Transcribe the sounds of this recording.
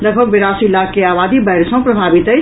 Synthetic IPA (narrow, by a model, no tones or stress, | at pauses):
ləɡ̚bʱəɡ̚ʋeɾasilːakeaʋad̪ibəɦɾsə̃ɦpɾəbʱabit̪əj